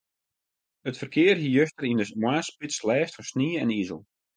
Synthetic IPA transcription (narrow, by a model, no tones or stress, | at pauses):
ətfərkʰɪːərɦijøstərindəmwaːspɪslɛːftfɔsniɛnizə̰l̩ˠ